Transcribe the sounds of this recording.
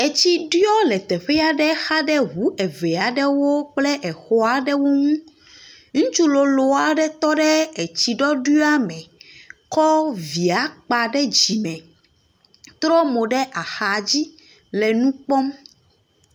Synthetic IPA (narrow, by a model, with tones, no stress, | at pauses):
e˨t͡ɕi˦ɖɔ˦lɛ˨t̪ɛ˨ɸɛ˦a˨ɖɛ˦xa˦ɖɛ˦ɦu˨˦ʔɛ˨ve˨a˨ɖɛ˦wo˦k͡plɛ˦ʔe˨xo˨a˨ɖɛ˦wo˦ŋũ˦ | ŋũ˦t͡ʃu˦lo˨lo˨a˨ɖɛ˦t̪ɔ˦ɖɛ˦e˨t͡ɕi˨ɖɔ˦ɖu˦a˦mɛ̃˨kɔ˦vi˨a˨k͡pa˨ɖɛ˦d͡ʑi˨mɛ̃˨ | t̪ɾɔ˦mo˨ɖɛ˦ʔa˨xa˨d͡ʑi˦ | lɛ˨nũ˦k͡pɔ˦m